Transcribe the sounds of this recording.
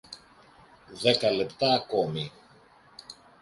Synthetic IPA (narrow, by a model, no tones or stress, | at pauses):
ðe̞kɐle̞pt̪ɐːko̞mi